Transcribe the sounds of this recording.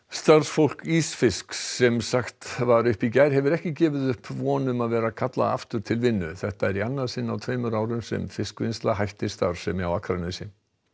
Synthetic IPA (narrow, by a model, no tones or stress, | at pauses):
st̪aɾ̥sfowl̥kiːsfɪsksːɛmsaxt̪vaɾʏhpicajɾ̥ɦɛvʏɾɛhcɪcɛːvɪðʏhpvɔːnʏmaðvɛːɾakʰat̪la̰a̰ft̪ʏɾ̥t̪ʰɪlvɪnːʏθɛht̪aɛɾianːaɾsɪnːawt̪ʰvejmʏɾaːwɾʏmsɛ̰mfɪskvɪnst̪laɦajht̪ɪst̪aɾ̥sɛmawakʰɾanesɪ